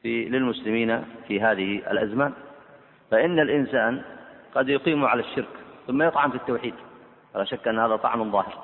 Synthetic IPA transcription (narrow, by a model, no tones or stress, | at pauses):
filɪlmʊslɪmiːnafiɦaːðɪhiʔa̰lʔazmaːn | faʔɪnːalʔɪnsaːnɡɑd̪jʊqiːmuʕalaʃːɪɾkθʊmːajɨt̪ˤʕɑmfit̪ːawħiːd̪ | falaːʃakːʔɪnːhaːðat̪ˤɑ̰ʕmanðˤɑːhɪɾ